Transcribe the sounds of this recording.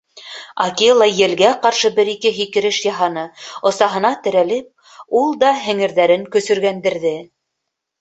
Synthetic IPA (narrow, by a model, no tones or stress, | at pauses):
ɑ̰kilˠɑjɘ̆lɡæqɑɾʃɤbɘɾikɘɦikɘ̆ɾɘʃjɑɦɑnɤŏsɑɦɤ̆nɑt̪ɘ̆ɾælɘp̚ | ulˠd̪ɑɦɘ̆ŋɘ̆ɾðæɾɘŋkɵ̆sɵ̆ɾɡænd̪ɘ̆ɾðɘ